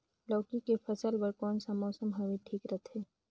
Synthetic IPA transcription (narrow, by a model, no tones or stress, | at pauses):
lɔːkikepʰɐsəlbəɾkɔːnsamɔːsəmɦɐʋiʈʰiːkɾɐt̪ʰeː